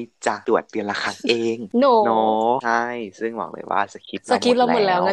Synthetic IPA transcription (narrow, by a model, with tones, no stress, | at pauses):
jt͡ɕa˨˧˩t̪u˨˩ə˩t̪̚ːi˧laː˧˩kʰa˧˩ŋʔeː˧ŋnɔ˧˦nɔ˦˥a˥˩jsɯ˥˩ŋbɔ̰ː˨˩k̚lɤ̰ː˧˦jwʔa̰ː˧˩sa˧˩kʰi˦˥t̪̚la˧kʰi˦˥t̪̚la˧˥˩o˨˩t̚lɛː˦˥wŋa˧˥˩